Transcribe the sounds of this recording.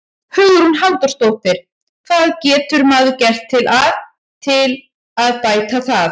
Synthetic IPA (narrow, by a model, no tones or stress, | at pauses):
hʏɣðʏɾunhalt̪ʏ̥st̪owht̪ɪɾ̥ | kʰθaðcɛːt̪ʏɾmaːðʏcɛr̥t̪ʰːɪlʔað | t̪ʰɪl | aðpaːjt̪aθað